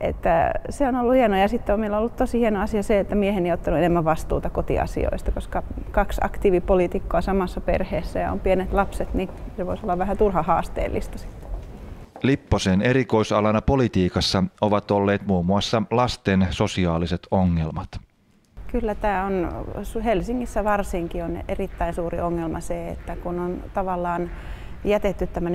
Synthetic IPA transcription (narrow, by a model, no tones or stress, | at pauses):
ʔḛt̪ːæseonolːuhienojɑsit̪ːeomeilːæolːut̪t̪osihienoɑsiɑseet̪ːæmiehenieijot̪ːɑnuenemːæʋʋɑst̪ṵːt̪ɑkot̪ḭɑ̰sḭo̰ist̪ɑkoskɑkɑksɑ̰kt̪iʋipolit̪ikːoɑsɑmɑsːɑpḛrheːsːæjɑo̰mpienet̪lɑpset̪niseʋoisolːɑʋʋæhæt̪urhɑhɑːst̪ḛːlːḭst̪ɑ̥si̥t̪ːe̥lipːoseːne̞ɾiko̞jsɑlɑnɑpo̞lit̪iːkɑsːɑoʋɑt̪olːe̞ːt̪muːmuɑsːɑlɑst̪enso̞siɑːliset̪oŋːelmɑt̪ | kylːæt̪æːonshelsiŋːisːæʋɑrsiŋkionḛrit̪ːæinsuːrḭʔoŋːelmɑ̰seḛt̪ːækunont̪ɑʋɑlːɑːn | jæt̪et̪ːyt̪t̪æmːøn